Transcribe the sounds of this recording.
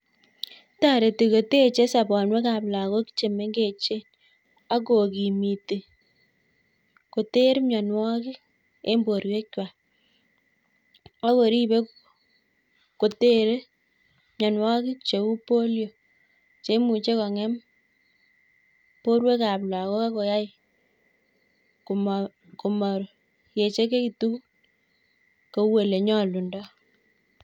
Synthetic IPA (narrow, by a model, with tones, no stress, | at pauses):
ta˦˨ɾe˨ti˨ko˨te˦˨t͡ʃe˦sa˨bɔ˨nwe˦ka˨pla˨ko˦ki̥˦t͡ʃe˨me˦ŋɡe˨t͡ʃe˦ | a˦ko˨ki˨mi˨te˨ | ko˨te˦ɾmɲɔ˨nwɔ˦kɪ˦ | e˦mbo˨ɾwe˦kt͡ʃwa˨ | a˦ko˨ɾi˦be˦ | ko˨te˦ɾe˦ | mɲɔ˨nwa˦kɪ˦t͡ʃe˨u˦po˦ljo˨ | t͡ʃe˦mu˨t͡ʃe˦kɔ˨ŋɛ˦m | po˦ɾwe˦ka˨pla˨ko˦ka˦ko˨ja˦j | km | ko˨mɔ˨ɾ | je˨t͡ʃe˦k̬e˦ki˨tu˦k | ko˨we˨le˨ɲɔ˦lu˨ndɔ˦